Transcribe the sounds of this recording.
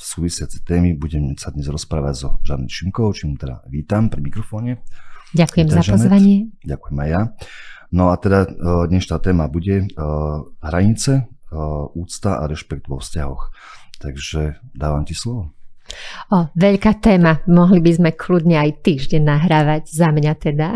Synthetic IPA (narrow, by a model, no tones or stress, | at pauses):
suːʋisɪat͡sɛ̥t̪ɛːmibuɟɛmsad̪ɲɛzɾɔspɾaːʋaɟzɔʒanɛʃimkɔʊt͡ʃimut̪ɛd̪a̰ʋiːt̪ampɾimikɾɔfɔːɲɛɟakujɛmzaʒɔzʋaɲɪɛɟakujɛmajja | nɔat̪ɛd̪ad̪ɲɛʃnat̪ɛːmabuɟɛ | ɦɾaɲit͡sɛ | uːt͡st̪aʔa̰ɾɛʃpɛɡ̚t̪ʋɔfscaɦɔx | t̪aɡʒɛd̪aːʋamcislɔʋɔ | ɔʋɛʎkaːt̪ɛːmamɔɦlibizmɛkʰlud̪ɲɛajt̪iːʒɟɛɲnːaɦɾaːʋaɟzamɲat̪ɛd̪a